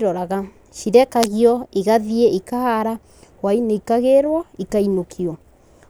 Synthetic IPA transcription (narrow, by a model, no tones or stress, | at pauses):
ɾɔɾaɣa | ʃiɾɛkaɣjɔeɣaðieikahaɾa | waineikaɣeɾwɔikainokʰiɔ